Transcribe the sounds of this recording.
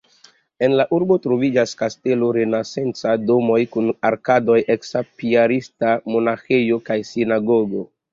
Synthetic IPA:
e̞nlaʔuɾbo̞tɾo̞vid͡ʒaskaste̞loɾe̞nase̞nt͡sado̞mo̞jkunaɾkado̞jeksapiaɾistamo̞naxejo̞kajsinaɡoɡo̞

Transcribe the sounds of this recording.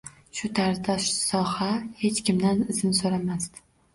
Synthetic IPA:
ʃʊt̪ʰaɾd̪aʃsɒhahe̞t͡ʃkʲɪmd̪anɪzɪnsoɾamast̪

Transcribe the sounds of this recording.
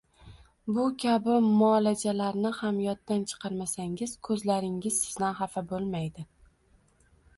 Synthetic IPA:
bʊkʲʰabɪmɒlad͡ʒalaɾnɪhamjɒt̪ːant͡ʃʰɨ̥qʰɑɾmasaŋʲɪz̥kʰɵzlaɾɪŋʲɪz̥sɪzd̪anɦafabolˠmajd̪ɪ

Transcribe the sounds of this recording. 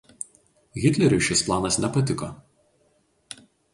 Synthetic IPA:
ɣʲɪt̪ʲlʲɛɾʲʊʃʲɪsplˠɑːnɐsnʲɛpɐt̪ʲɪko̰

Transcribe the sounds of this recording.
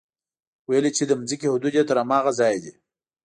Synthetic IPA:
wajəlit͡ʃed̪əmzikehʊd̪ud̪jat̪əɾamɑːɣazɑjd̪i

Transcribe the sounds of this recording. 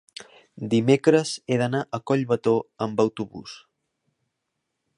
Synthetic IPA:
d̪imekɾəzeðənaʔəkɔʎβət̪oəmbəwt̪uβṵs

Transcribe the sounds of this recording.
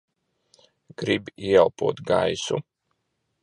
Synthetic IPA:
ɡ̥ɾibiɛlˠpuɔt̪ɡa̰jsu

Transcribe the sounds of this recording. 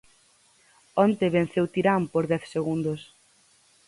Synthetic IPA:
ɔnt̪eβẽnθewt̪iɾampoɾðɛθseɣund̪os

